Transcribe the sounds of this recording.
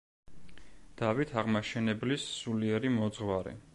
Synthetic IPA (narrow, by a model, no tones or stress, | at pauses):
d̪̥avit̪ʰaʁmaʃɛnɛblisːuliɛɾimɔd̪zʁwaɾɛ̰